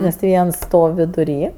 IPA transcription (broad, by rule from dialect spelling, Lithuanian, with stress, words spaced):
nʲɛs tʲɪ ˈʋʲiɛns ˈstoːw ʋʲɪdʊˈrʲiː